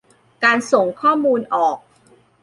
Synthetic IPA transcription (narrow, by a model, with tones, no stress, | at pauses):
kaː˧nso˨˩ŋkʰɔː˥˩muː˧nʔɔː˨˩k̚